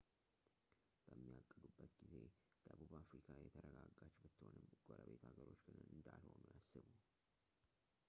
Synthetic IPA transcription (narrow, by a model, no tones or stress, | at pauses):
b̥əmːiakʼːɨd̪ubːət̪ɡized̪̥əβuβafɾikʰajɛt̪ʰəɾəɡaɡat͡ʃbɨt̪ːhonɨmɡ̥ʼoɾəβet̪aɡəɾo̞t͡ʃːɡɨnənɨnd̪alho̞nujasːɨβu